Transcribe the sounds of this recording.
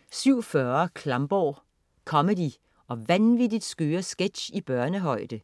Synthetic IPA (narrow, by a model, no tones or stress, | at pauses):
syʊ̰fɶɐɐkʰlɑ̈mb̥ɒː | kʰɒ̽mədi | ɒ̽ʋænʋid̥id̥sɡ̥øːɐsɡ̥ed̥ɕib̥ɶɐnəɦɒ̽ɪ̰d̥ə